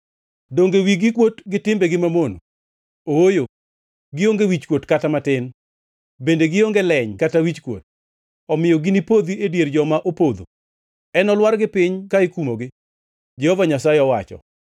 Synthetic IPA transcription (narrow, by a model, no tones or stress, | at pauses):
doŋɡewiɡikwotɡɪtɪmbeɡɪmamono | oojo | ɡɪoŋɡewit͡ʃkwotkatamatɪn | bendeɡɪoŋɡelɛɲkatawit͡ʃkwo̰t̚ | ɔmɪjɔɡinipod̪iedjerd͡ʒɔmaʔopod̪o̰ | ɛnɔlwarɡɪpɪɲkaikumoɡɪ | d͡ʒɛhɔvaɲasaeɔwat͡ʃɔ̰